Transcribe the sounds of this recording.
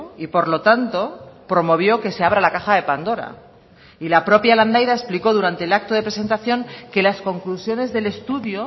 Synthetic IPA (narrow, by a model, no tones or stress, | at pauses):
ipo̞ɾlo̞t̪ant̪o̞pɾo̞mo̞βjo̞ke̞se̞aβ̞ɾalakaxaðe̞pand̪o̞ɾa̰ | ilapɾo̞pjaland̪ajðae̞spliko̞ðuɾant̪e̞ːlak̚t̪oðe̞pɾe̞se̞nt̪aθjo̞ŋke̞lasko̞ŋklusjo̞ne̞zðe̞le̞st̪uðjo